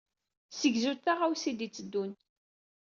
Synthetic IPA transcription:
səɡzuθaʁawsid̪it͡sːəd̪ːun

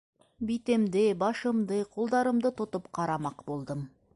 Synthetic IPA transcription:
bit̪ɪmd̪ɪbɑʃə̆md̪əqʰolˠd̪ɑɾəmd̪ət̪ʊt̪əpqʰɑɾɑmɑqbolˠd̪əm

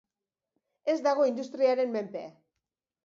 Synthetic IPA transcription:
e̞zd̪aɣ̞o̞ind̪ust̪ɾiaɾe̞mme̞mpea

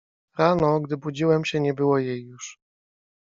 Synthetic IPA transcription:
ɾanɔɡd̪ɘbud͡ʑiwɛmɕɛɲɛbɘwɔjejːuʂ

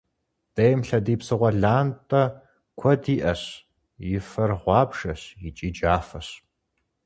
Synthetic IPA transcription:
d̥ɐjmɬɐdiːpsɨʁʷɐɮaːntʼɐ | kʷʰɔdiːʔɐɕ | jɪfɐrʁʷɑːbʒɐɕjɪt͡ʃʼiːd͡ʒaːfɐɕ

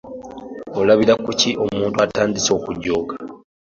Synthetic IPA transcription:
olaβiɾakuciʔo̞muːntuataːndiso̞ːkuɟːo̞ːɡḁ

